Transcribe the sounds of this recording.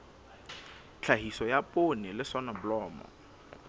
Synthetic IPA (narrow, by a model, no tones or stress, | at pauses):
t͡ɬʰahisɔjapʼonɪlɪsɔnɔbʊlɔːmɔ̰